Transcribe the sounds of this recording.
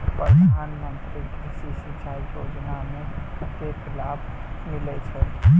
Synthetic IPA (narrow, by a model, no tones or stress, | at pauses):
pəd̪ʱanmənt̪ɾikd̪isisit͡ʃaiod͡ʒnameət̪ekʰilabmilɛt͡ʃʰɛ